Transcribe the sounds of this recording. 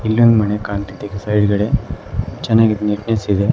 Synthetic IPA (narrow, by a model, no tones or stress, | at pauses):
ilʋɐŋɡmɐnekaːnt̪it̪ikesɐjɖɡɐɽet͡ʃɛnːaːɡiniʈnesid̪e